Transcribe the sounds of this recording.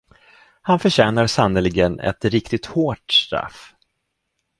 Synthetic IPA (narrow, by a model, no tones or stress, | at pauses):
hanfœɕɛːnaɾsanːəlɪɡənɛ̰t̪ɾɪkt̪ɪt̪hoːʈsʈɾa̰f